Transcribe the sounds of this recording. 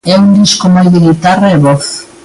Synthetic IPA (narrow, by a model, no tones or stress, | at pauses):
ɛund̪iskomojðeɣit̪areβɔθ